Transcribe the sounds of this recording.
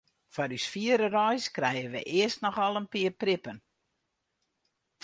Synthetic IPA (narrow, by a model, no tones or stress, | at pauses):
fɔɾysfiəɾərɔjskrɛjəʋə̰ʔɪəstnɔxɔlˠənpɪərprɪpən